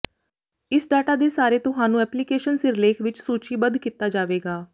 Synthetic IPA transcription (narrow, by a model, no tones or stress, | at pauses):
ɪsɖaːʈaːd̪eːsaːɾeːt̪ʊɦaːnũːɛːplikeːʃənsɪɾɪleːkʰʋɪt͡ʃsuːt͡ʃiːbənd̪kit̪aːd͡ʒaːʋeːɡaː